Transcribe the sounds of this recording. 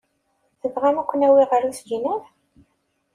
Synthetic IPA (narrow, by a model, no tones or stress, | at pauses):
θəvʁæmækʷːənæwiʁəɾuθd͡ʒinæθ